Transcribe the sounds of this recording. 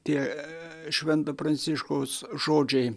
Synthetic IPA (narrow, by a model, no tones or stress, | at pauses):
t̪iɛ | ʃʲʋʲɛnt̪ɐprɐnʲsʲiʃkosʒoːd͡ʒej